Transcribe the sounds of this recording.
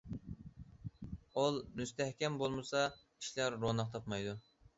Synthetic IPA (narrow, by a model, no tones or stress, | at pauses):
olˠmyst̪ʰæhkʲɛmbolˠmɨsɑ | i̥ʃlæɾːonɑq̚t̪ʰɑpmɑjd̪u